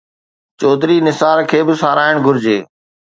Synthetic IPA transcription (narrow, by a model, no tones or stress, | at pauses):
t͡ʃɔːd̪ɾiːnɪsaːɾkʰeːbɪsaːɾaːɪɽ̃ɡʱʊɾɪd͡ʑeː